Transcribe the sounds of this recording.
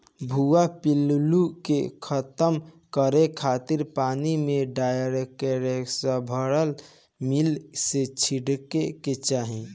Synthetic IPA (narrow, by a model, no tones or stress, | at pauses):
bʱuapillukekʰət̪əm | kəɾekʰat̪iɾpanimeɖajɾekeɾeksəbʱəɽəl | milset͡ʃʰiɽkeket͡ʃaɦĩ